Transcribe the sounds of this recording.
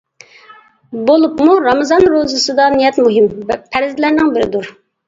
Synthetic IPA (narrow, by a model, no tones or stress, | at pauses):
bolˠupmuɾɑmɨzɑnɾozɨsɨd̪ɑnijɛt̪muɦɪmpʰæɾɪzlæɾnɪŋbɪɾɪd̪uɾ